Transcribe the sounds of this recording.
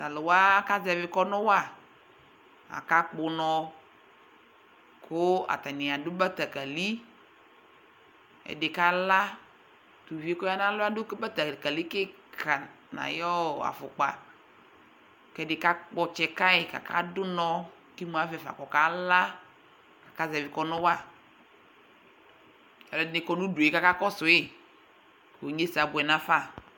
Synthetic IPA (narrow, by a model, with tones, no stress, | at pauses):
ta˨lʊ˨wa˦ka˦zɛ˨vɪ˦kɔ˦nʊ˦wa˦˨ | a̰˨ka˦k͡pʊ˨nɔ˨ | kʰʊ˦a̰˨ta˨nɪ˨a˨dʊ˦ba˦ta˨ka˨li˦ | ɛ̰˨dɪ˨ka˨la˦ | tu˨vi˨e˦kɔ˦ja˦na˦lʊ˦a˦dʊ˦kba˦ta˨ka˨li˦kɪ˦ | kʰa˨ | na̰˨jɔ˦˨a̰˨fʊ˨k͡pa˨ | kɛ˨dɪ˨ka˦k͡pɔ˨t͡ʃɛ˨ka˦ɪ˨ka̰˨ka̰˦dʊ˦nɔ˦ | ki˦mu˨a˨˦vɛ˨fa̰˨kɔ˨ka˦la˦ | kḁ˨ka˦zɛ˨vɪ˨kɔ˦nʊ˦wa˦ | ka˨ɛ˨dnɪ˨kɔ˦nu˦du˨ka˦ka˦kɔ˦sʊ˨ɪ˦ | ko˨ɲe˦sa˨bʊ˨ɛ˨na˦fa˦